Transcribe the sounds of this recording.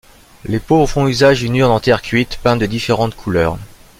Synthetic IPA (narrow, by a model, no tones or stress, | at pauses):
lepovʁfɔ̃yzaʒd̪ynyʁnɑ̃t̪ɛʁkʲɥit̪pɛ̃d̪əd̪ifeʁɑ̃t̪kʰulœːʁ